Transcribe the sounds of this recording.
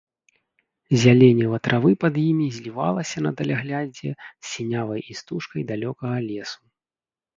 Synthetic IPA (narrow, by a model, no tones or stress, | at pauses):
zʲalʲenʲːɛvɐt̪ɾʔavɨpɐd̪jimʲizʲlʲiva̰lˠɐsʲɐnɐt̪ɐlʲaɣlʲad͡zʲɛsːʲinʲavɐjist̪uʂkɐjd̪alʲɔkɐɣɐlʲɛsu̥